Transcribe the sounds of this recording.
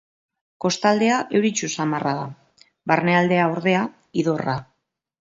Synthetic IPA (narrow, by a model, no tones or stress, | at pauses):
ko̞st̪ald̪e̞aʔe̞wɾit͡ʃusamaraða | βarne̞ald̪e̞aoɾðe̞a | iðo̞ra